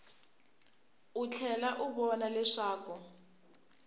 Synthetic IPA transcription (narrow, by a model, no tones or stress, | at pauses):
ut͡ɬʰɛlaʔuβɔnalɛʂaːkɔ